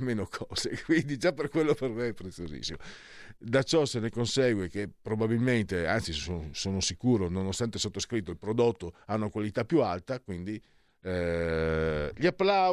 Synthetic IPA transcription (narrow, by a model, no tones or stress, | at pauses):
meːnokʰɔːz̥ekwind̪id͡ʒapːerkwelːopermeɛpːɾet̪sːiozḭsːimo | d̪at͡ʃɔsenekonsɛɡwekepːɾobabilment̪ea̰nt̪sissosoːnosikuːɾononost̪ant̪esot̪ːoskɾit̪ːoilpɾod̪ot̪ːoaunakwalit̪apːjualt̪akwind̪i | ʎiapːla